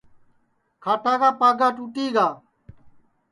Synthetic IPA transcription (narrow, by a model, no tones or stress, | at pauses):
kʰaːʈaːkaːpaːɡaːʈuːʈiːɡaː